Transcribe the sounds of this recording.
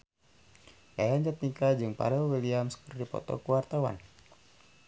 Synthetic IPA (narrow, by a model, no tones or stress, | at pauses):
kajaɲd͡ʒat̪̚nikad͡ʒɨŋpa̰ɾɛlwiliamsə̥kərdipɔ̰t̪ɔ̰kuwart̪awa̰n